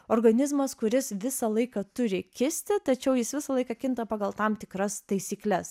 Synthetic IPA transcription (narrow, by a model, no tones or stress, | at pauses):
oːɾɡɐnʲɪzmɐskʊɾʲɪsʋʲɪsɐlˠɐɪkɐt̪ʊɾʲɪkʲɪsʲt̪ʲɪt̪ɐt͡ʃʲɛʊjɪsʋʲɪsɐlˠɐɪkɑkʲɪnt̪ɐpɑːɡɐlˠt̪ɑmt̪ʲɪkɾɐst̪ɐɪsʲiːklʲɛs